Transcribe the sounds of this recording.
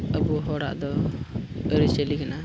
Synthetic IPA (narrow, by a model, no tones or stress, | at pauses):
əbuɦɔɽa̰ʔd̪ɔ | əɾit͡ʃəlikana